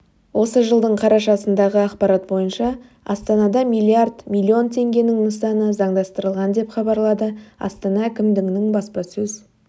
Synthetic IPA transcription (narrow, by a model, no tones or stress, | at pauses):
wʔo̞səʒəlˠd̪əɴqʰɑɾɑʃɑsənd̪ɑʁəɑqpɑɾɑt̪̚bo̞jənʃɑ | ɑ̰st̪ɑnɑd̪ɑmijlʲˠiard̪mʲijlʲːio̞nt̪ʰe̞ŋɡʲe̞nɪŋnəsɑnəzɑɴd̪ɑst̪əɾəlˠʁɑnd̪e̞pχɑbɑɾlˠɑd̪əɑ̰st̪ɑnɑækʲɪmd̪ɪɡnɪŋbɑspɑsɵz